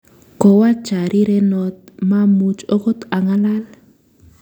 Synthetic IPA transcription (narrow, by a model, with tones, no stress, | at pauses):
kɔ˨wa˦t͡ʃa˨ɾʔi˦ɾɛ˦nɔ˦t̪̚ma˦mu˦t͡ʃɔ˦kɔ˦t̪a˨ŋa˦la˦l